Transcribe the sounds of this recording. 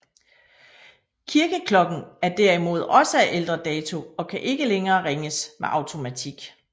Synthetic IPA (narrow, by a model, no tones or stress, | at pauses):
kʰiɐɡ̥əkʰlɒ̽ɡ̥n̩æɐd̥æɐimo̝ð̞ˠɒ̽səæʔeld̥ʁɐd̥ɛːt͡sʰo̝ɒ̽kʰæʔe̝ɡ̥əleŋɐːʁeŋəsmeʔɑ̈ʊt͡sʰo̝mæt͡sʰiɡ̥